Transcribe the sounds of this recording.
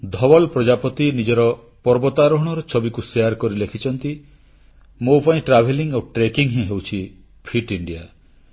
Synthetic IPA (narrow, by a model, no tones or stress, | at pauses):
d̪ʱɔbɔlpɾɔd͡ʒapɔt̪inid͡ʒɔɾɔ | pɔɾbɔt̪aɾɔɦɔɽ̃ɔɾɔt͡ʃʰɔbikuseaɾkɔɾilekʰit͡ʃʰɔnt̪i | mopaĩʈɾabʱeliŋoʈɾekiŋɦẽɦewt͡ʃʰi | pʰiʈiɳɖija